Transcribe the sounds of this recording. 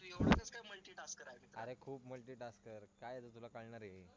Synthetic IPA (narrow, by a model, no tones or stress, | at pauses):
ət͡skajməlʈiːʈaskəɾaɦemit̪əɾekʰuːpməlʈiːʈaskəɾkajat͡sət̪ulakaɭɳaɾjei